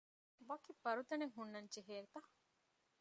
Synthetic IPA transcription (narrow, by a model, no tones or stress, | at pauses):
ʋɐkibɐɾut̪ɐneŋɦunːɐnt͡ʃeɦeːɾt̪ɐ